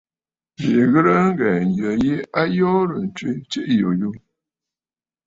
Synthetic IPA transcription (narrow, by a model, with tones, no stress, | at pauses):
be˨ɣə˦ɾə˦ŋ˦ɡɛ˨n˨jə˨je˦a˦jɔː˦ɾə˨n˨t͡ʃwe˦t͡ʃe˦ʔjo˨ju˦